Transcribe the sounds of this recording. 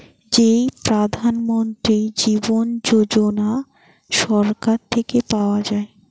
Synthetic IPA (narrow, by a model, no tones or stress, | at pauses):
d͡ʑepɾad̪ʱanmont̪ɾid͡ʑibond͡ʑod͡ʒona | ʃɔɾkaɾt̪ʰekepaoad͡ʑae